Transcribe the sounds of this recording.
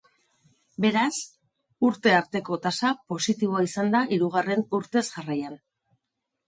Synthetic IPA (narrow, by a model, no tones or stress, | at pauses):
be̞ɾas | uɾt̪e̞aɾt̪e̞ko̞t̪asapo̞sit̪iβ̞o̞aisand̪aʔiɾuɣ̞are̞nuɾt̪e̞sʝarajan